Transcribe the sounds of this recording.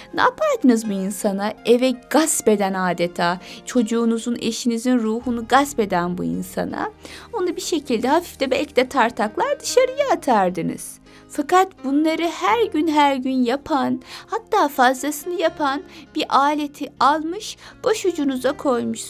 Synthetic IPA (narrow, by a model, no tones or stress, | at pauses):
na̰ːpʰaɾd̪ɯnɯzbuinsanaevɛɡaspe̞d̪ænaːd̪et̪ʰaːt͡ʃʰo̞d͡ʒuːnuzune̞̰ʃinizinɾuːhunuɡaspe̞d̪ænbṵḭnsa̰na̰onabiʃe̞cʰilʲd̪ɛɦafifd̪ɛbɛlʲcʰid̪ɛt̪ʰaɾt̪ʰaklˠaɾd̪ɯʃaɾɯjaat̪ʰaɾd̪ɯnɯ̰z̥ | fakat̪bunlˠaɾɯhæɾɟynɦæɾɟynjapʰanhat̪ʰːaːfazd̪asɯnɯjapʰanb̥iɾʔaːlʲe̞t̪ʰialˠmɯʃb̥oʃud͡ʒunuzakʰo̞jmuʃ